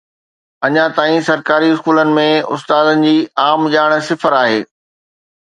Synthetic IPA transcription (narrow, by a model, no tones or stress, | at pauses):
ɐɲãt̪aːĩsɐɾkaːɾiɪskuːlənɪ̆mẽʊ̰st̪aːd̪ənɪ̆d͡ʑiːaːmʄaːɪɽ̃̆sɪfəɾaːɦeː